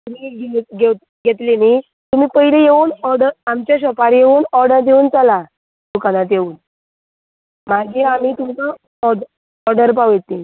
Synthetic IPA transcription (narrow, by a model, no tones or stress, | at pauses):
t̪um̤iɡeɡe | ɡet̪leni | t̪um̤iːpəɦilejeʋuːnɔɾɖəɾamt͡ɕjaɕəpaɾjeʋuːnɔɾɖəɾd̪euːnt͡sala | d̪ukanat̪jeuːn | maɡiam̤iːt̪umt͡sə | ɔɾɖəɾp̬aʋjet̪ːin